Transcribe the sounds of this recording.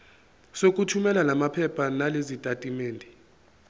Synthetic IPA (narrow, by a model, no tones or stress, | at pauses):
sok̬ʼutʰumɛlanamapʰɛpʰanalezitʼatʼimeːndʱi